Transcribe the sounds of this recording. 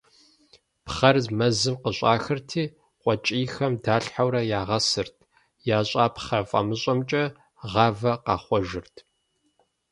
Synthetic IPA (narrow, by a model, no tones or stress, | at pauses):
pχɐrzmɐzɨmqəɕʷʼaːxɨrtʰiː | qʷʼɔt͡ʃʼiːxɐmdaːɬħawɾɐjaːʁɐsɨrtʰ | jaːɕʷʼaːpχɐfʼɐ̰mɨɕʼɐmt͡ʃʼɐ | ʁɑːvɐqɑːχʷɔʒɪrtʰ